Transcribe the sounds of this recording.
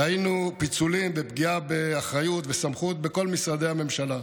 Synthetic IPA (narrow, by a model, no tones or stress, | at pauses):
hajinupit͡sulimbepɡiabeaχʁajut̪vesamχut̪̚be̞ko̞lmisʁad̪e̞hame̞mʃala